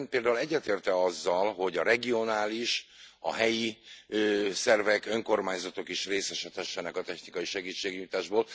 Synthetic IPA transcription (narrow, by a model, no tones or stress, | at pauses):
npeːld̪aːulɛɟːɛt̪eːrt̪ɛɒzːɒlɦo̞ɟɒɾɛɡio̞naːliʃɒ̰ɦɛjiøsɛrvɛkø̞ŋko̞rmaːɲzɒt̪o̞keʃreːsɛʃɛt̪hɛʃːɛnɛkɒt̪ɛçnikɒjiʃɛɡiːt͡ʃːeːɡɲuːjt̪aːʒboːl